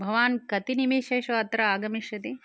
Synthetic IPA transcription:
bʱɐʋaːnkɐt̪inimiːʃɐjʃɐɐt̪ɾɐaːɡɐmiʃɐt̪i

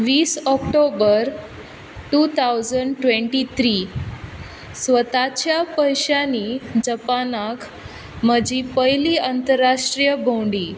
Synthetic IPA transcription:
ʋiːsɔkʈobəɾ | ʈut̪ʰawd͡zəɳɖʈʋeɳʈit̪ʰɾiː | sʋət̪at͡ɕjapəjɕanid͡ʑəpanakʰ | məd͡ʑipəjliːənt̪əɾːaʂʈɾijəbowɳɖiː

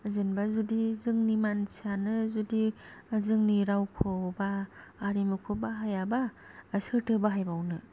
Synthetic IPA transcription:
zɯnbazudizɯŋnimansanɯzudizɯŋniɾawkʰɔbaːɾimɯkʰɔbaɦajaba | sɯtʰɯbaɦajbawnɯ

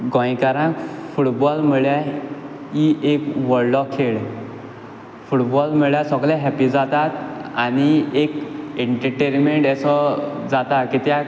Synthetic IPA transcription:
ɡɔ̃jkaɾãkfuʈbɔlmiɭja | iʔekʋɔɽɖɔkʰːeɭ | fuʈbɔlmiɭjasɔɡlɛɦɛpid͡zat̪at̪añiekeɳʈəɾʈenmeɳʈɛsɔd͡zat̪akit̪ja

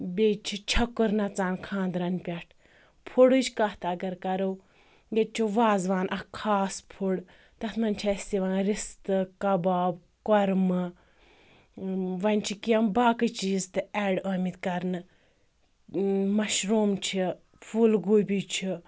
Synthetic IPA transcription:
bʲet͡ʃʰit͡ʃʰɐkɨɾnɐt͡saːnkʰãːnd̪ɾɐnpʲɐʈʰ | pʰuɽɨt͡ʃʰkɐht̪ɐɡɐɾkɐɾɐw | jet͡ʃʰuʋaːzʋaːnʔɐkʰaːspʰuɽ | t̪ɐt̪ʰmɐnʲt͡ʃʰɐsʲiʋaɾist̪ɨkɐbaːb̚ | kɔɾmɨ | ʋɐnʲt͡ʃʰikiɐmbaːkɨt͡ʃiːzt̪ɨɛɖɐːmit̪kɐɾnɨ | mɐʃɾuːmt͡ʃʰi | pʰulɡuːjbʲit͡ʃʰi

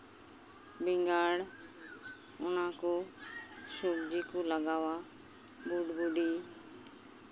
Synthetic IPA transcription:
bɪŋɡaːɽ | ʊnãːkoː | ʃoːbd͡ʒiːkoːləɡaːʋaː | buːɖbuːɖiː

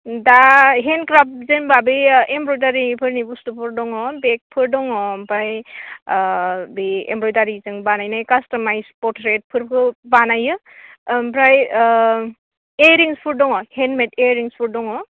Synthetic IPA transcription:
daɦenkɾap̚zɯnbabɯembɾɔjdaɾipʰɯɾnibustupʰɯɾdɔŋɔbek̚pʰɯɾdɔŋɔmpɾaj | biḛmbɾɔjdaɾizɯŋbanajnajkastɔmajspɔtɾet̚pʰɯɾpʰɯbanajɯ | mpɾaj | eɾiŋspʰuɾdɔŋɔhenmeteɾiŋspʰuɾdɔŋɔ

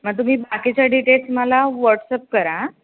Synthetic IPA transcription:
məɡ̚t̪̬um̤iːbakit͡ɕjaɖiʈelsməlaʋəɾʈsəp̚kəɾa

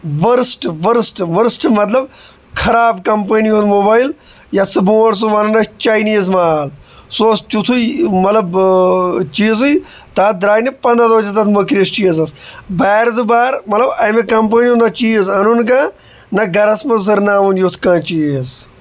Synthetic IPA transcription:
ʋɐɾsʈʋɐɾsʈʋɐɾsʈmɐt̪̬lɐb | kʰɐɾaːbkɐmp̬ɐniũnmoːbaːjil | jɐsɨboːns̬uʋanɐnɐt͡ʃaːjniːzmaːlsoːst͡ʃut̪ʰuimɐt̪lɐb | t͡ʃiːzɨj | t̪aːd̪ɾaːjnipɐ̃nd̪ɐd̪oːt͡ʃɐt̪ɐt̪ʰmɐkɾist͡ʃiːzɐsbaːɾd̪ubaːɾmɐt̪lɐbɐmekɐmp̬ɐniũnnɐt͡ʃiːzɐnunk̬ãː | nɐɡɐɾɐsmɐsɐɾnaːʋunjut̪ʰkãːt͡ʃiːz

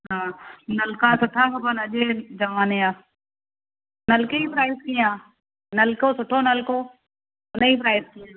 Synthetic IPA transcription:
ɦãːnɐlkãːsʊʈʰaːkɐbənɐʄed͡ʒɐʋaːneaː | nɐlkeiːpɾaːɪskĩãː | nɐlkoːsʊʈʰonəlkoː | ʊneiːpɾaːɪskiaː

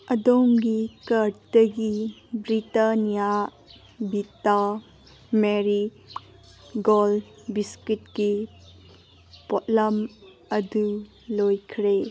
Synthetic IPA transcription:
ɐdomɡikɐɾtɐɡibɾitanija | bita | meɾi | ɡolbiskit̚ɡi | potlɐm | ɐdu | lojkʰɾe

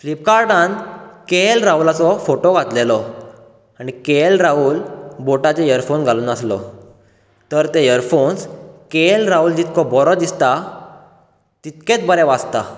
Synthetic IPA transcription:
flip̚kaɾɖãnkelɾawlat͡sɔfoʈoɡʱat̪lelɔ | aɽ̃ikelɾaulboʈat͡sejəɾfonɡʱaluːnaslɔ̰ | t̪əɾt̪ejəɾfonskelɾauld͡ʑit̪kɔbɔɾɔd̪ist̪a | t̪it̪kẽt͡sbəɾɛ̃ʋad͡zt̪a

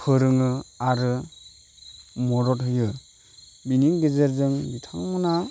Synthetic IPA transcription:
pʰɯɾɯŋɯaɾɯ | mɔɾɔt̚ɦhɯjɯ | biniŋɡezeɾzɯŋbitʰaŋmɔna

